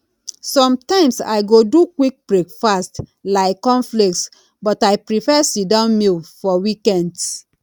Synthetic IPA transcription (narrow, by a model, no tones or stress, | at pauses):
sɔ̃mtãɪ̃msa̰ɪɡodukwik̚b̥ɹekfastlaɪkːɔ̃nflik̚ts | bɔtajpɹifɛsidãʊ̃nmilfɔwikɛ̃nds